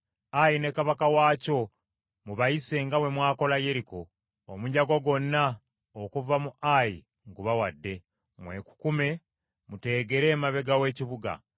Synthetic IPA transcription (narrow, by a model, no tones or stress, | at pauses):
ajine̞kaβakawaːco̞ | muβajise̞ŋɡawe̞mwaːko̞laje̞ɾiko̞ː | muɲaɡo̞ɡo̞nːa | okuvamuʔajḭ | ŋɡuβawadːe̞ | mwe̞̰ku̥kume̞ | mute̞ːɡe̞ɾe̞ːmaβe̞ɡawe̞ːciβuɡa̰